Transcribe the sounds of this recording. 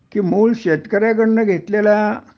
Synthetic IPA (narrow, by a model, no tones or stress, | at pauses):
kiːmuːlɕet̪kəɾjak̬əɽɳːəɡʱet̪lela